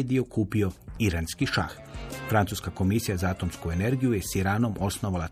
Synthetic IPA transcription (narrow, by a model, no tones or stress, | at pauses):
ed̪io̞kʰuːpio̞iɾanskiʃa̰x | fɾant̪suskako̞misijazaːt̪omskue̞ne̞ɾɡijujesiɾaːno̞mʔo̞sno̞ʋala